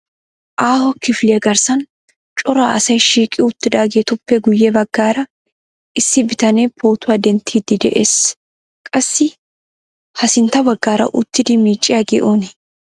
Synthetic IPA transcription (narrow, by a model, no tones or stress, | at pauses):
ʔaːhɔkɪflɪjɐɡɐɾsɐn | t͡ʃʼɔɾaːʔɐsɐjʃiːkʼɪʊt̪ːɪd̪aːɡeːt̪ʊpːɛɡʊjːɛbɐɡːaːɾɐ | ʔɪsːɪbɪt̪ɐneːpʰoːt̪ʊaːd̪ɛnt̪ʰiːd̪ɪd̪ɛʔeːs | kʼɐsːɪ | hɐsɪnt̪ɐbɐɡːaːɾɐ̰ʔʊt̪ːɪd̪ɪmiːt͡ʃʼːɪjaɡɛ̰ʔoːnɪ